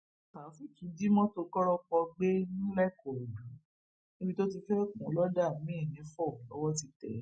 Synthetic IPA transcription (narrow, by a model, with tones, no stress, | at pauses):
ta˨˦fi˦kĩ˧di˦mɔ̃˦to˧kɔ˦ɾɔ˦k͡pɔ˧ɡ͡be˦nĩ˦lɛ˦˨kɔ˨o˨dũ˨˦ | ni˦bi˧to˦t̬i˧fɛ˦kũ˨˦lɔ˦da˦˨mĩ˦˨nĩ˨˦fɔ˦˨lɔ˦wɔ˦ti˧tɛ̰˨˦